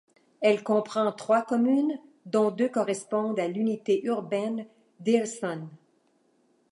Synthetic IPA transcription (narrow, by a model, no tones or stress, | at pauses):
ɛlkɔ̃pχɑ̃t̪χwakɔmyn | d̪ɔ̃d̪økɔʁɛspɔ̃d̪alynit̪eʔyʁbɛn | d̪elsɔn